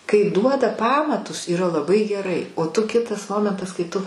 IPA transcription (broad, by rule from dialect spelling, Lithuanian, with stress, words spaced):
kɐɪ ˈduɔdɐ ˈpɑːmɐtʊs iːˈrɐ lˠɐˈbɐɪ ɡʲɛˈrɐɪ oː tʊ ˈkʲɪtɐs ˈmoːmʲɛntɐs kɐɪ ˈtʊ